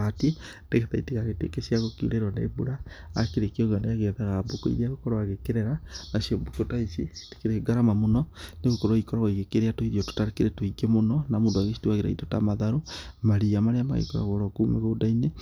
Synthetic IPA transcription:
atie | ndeɣetaiteɣaɣetḛkesiaɣokiṵɾeɾwanḛbuɾa̰ːkeɾekioɣaneaɣeðaɣaboko̰ḭɾiaɣokoɾaaɣekeɾeɾanaʃiobokotaisite̥keɾeɡaɾamamonɔneɣokoɾoikoɾaɣoiɣekeɾeatoiɾioto̥taɾekeɾetoiɡemonɔnamondoaɣeʃi̥tuaɣeɾa̰itotamaðaɾomaɾiamaɾeama̰ɣḛkoɾa̰ɣoɾokumeɣodaine

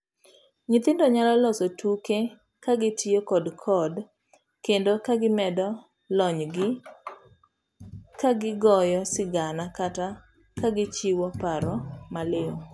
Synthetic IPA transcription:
ŋɪt̪ɪndɔɲalɔlɔsotʰuke | kaɡɪtʰɪjokɔdkʰɔd | kendokaɡɪmɛdɔ | lɔɲɡɪ | kaɡɪɡɔjɔsɪɡanakata | kaɡɪt͡ʃiwɔpaɾɔmalɪo

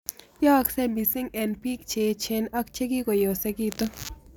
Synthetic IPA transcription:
jaksɛmisɪŋɛnpik̚t͡ʃʰet͡ʃʰenɐkt͡ʃʰekikojosɛkit̪o

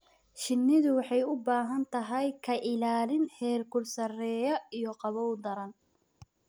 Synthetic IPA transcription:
ʃɪnːɪðʊwɑħɑjʊbaːɦɐnt̪ʰɐɦɐjkʰɐʔɪlaːlɪnhɛːlkʰʊlsɐrɛːjɐijɔqɑβɔwd̪ɐɾɐn

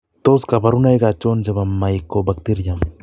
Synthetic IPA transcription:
t̪oskabaɾunajɡat͡ʃːond͡ʒaβamːajkːobak̚t̪iɾjam

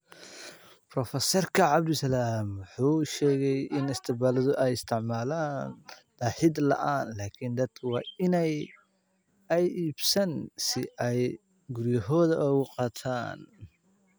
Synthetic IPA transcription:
brɔfɐsɔrkʰɐʕɑbd̪ʊsɐlaːmwʊħuːʃɛːɣɛjɪnɪst̪ʰɪbaːlɐðɔʔɛjɪst̪ʰɪʕmaːlaːnd̪̥aːħɪd̪lɐ̰ʔaːnlaːkʰɪnd̪ɐd̪̥kʰɐwɑːɪnɛj | ɛjʔiːbsɐnsɪʔɛj | ɡʊɾjɐɦɔːðɐʔɔɣʊqɑːt̪ʰaːn

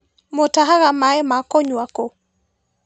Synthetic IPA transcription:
motaɦaɣamaɛmakɔɲwako

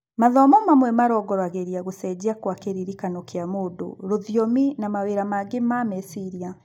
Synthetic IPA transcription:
maðɔmɔmamwɛmaɾɔɡɔɾaɣeɾiaɣosɛd͡ʑiakwakeɾiɾikanokeamodo̰ɾoðjominamaweːɾamaɡemamɛsiɾia

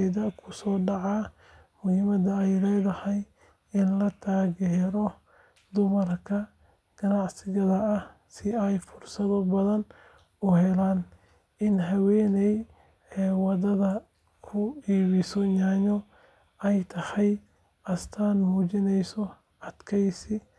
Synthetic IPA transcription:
ɛðɐkʰʊsɔːɖɑʕɑː | mʊhɪːmɐd̪ɐɛjlɛːðɐhɛj | ɪnlɐt̪ʰaːɣɛɾɔ | d̪ʊmɐrkʰɐ | ɡ̥ɐnɑʕsɪɣɐðɐːh | sɪɛjfʊrsɐðɐbɐðɐn | ʊhɛlaːn | ɪnɦɐwɛːnɛj | ɛːwɑðɐðɐ | kʰʊiːβɪsɔɲaːɲɔ | ɛjt̪ʰɐhɛj | ʔɐst̪ʰaːnmuːt͡ʃɪnɛjsɔ | ɐd̪̥kʰɛjsɪ

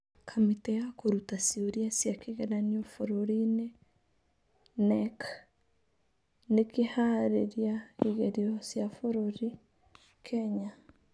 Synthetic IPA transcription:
kʰamitɛjakoɾutasioɾiasjakeɣenaniofoɾoɾine | nɛk | nekihaɾeɾjaiɣeɾiɔsjafoɾoɾi | kʰɛɲa

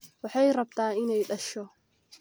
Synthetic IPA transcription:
wɑħɑjrɐb̚t̪ʰaːɪnɛjɖɐʃɔ

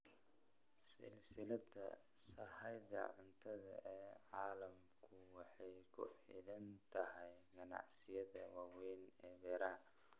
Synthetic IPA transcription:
sɪ̰lsɪlɐdɐ̰ | sɐhɐjðɐ̰ʕʊnt̪ʰɐðɐ̰ʔɛːʕaːlɐm | kʰʊwɑħɑjkʰʊ̰ħɪ̰ðɐnt̪ʰɐɦɛjɡɐnɑ̰ʕsɪjɐðɐwɑːwɛjnɛːbɛːɾaː

